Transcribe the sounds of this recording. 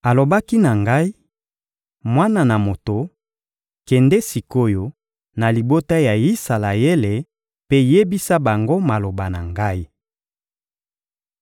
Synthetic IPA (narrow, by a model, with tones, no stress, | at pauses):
a˨lo˨ba˦ki˦na˨ŋɡa˦i˦ | mwa˦na˨na˨mo˨to˨ | kɛ˨ndɛ˦si˨ko˦jo˨ | na˨li˨bo˦ta˦ja˨i˦sa˨la˨je˦le˨ | pe˦je˦bi˦sa˦ba˨ŋɡo˦ma˨lo˨ba˨na˨ŋɡa˦i˦